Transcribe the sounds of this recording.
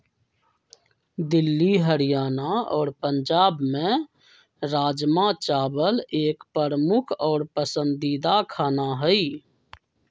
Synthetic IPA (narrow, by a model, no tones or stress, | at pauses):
d̪ɪlːiɦəɾijaːnaɔ̰ːɾpəɲd͡ʒaːbmẽ | ɾaːd͡ʒmat͡ʃaːbəleːkpɾəɾəmʊkʰɔːɾpəsə̃nd̪id̪akʰaːnaɦəi